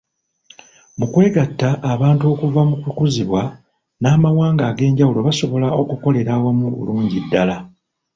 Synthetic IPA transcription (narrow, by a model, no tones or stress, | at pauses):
mukwe̞ːɡatːaʔːβaːntuo̞ːkuvamukukuziβwa | naːmawaːŋɡaːɡe̞ːɲɟawulo̞βaso̞βo̞lao̞kuko̞le̞ɾaːwamuβṵluːɲɟidːala